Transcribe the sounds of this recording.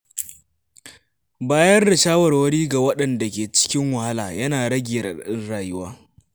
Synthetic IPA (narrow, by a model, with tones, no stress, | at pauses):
baː˦jɐ˦nɽɪ˨ʃaː˦wɐ˨rwɐ˦ɽiː˦ɡa˨wɐ˦ɗɐ˨nda˨kʲeː˨t͡ʃɪ̥˦kʲɪ˦ŋwɐ˨ha˦laː˨jɐ˦naː˨ɽɐ˦ɡʲɪ˨jɐ˨rɗɪ˦nɽaː˨jʊ˦waː˦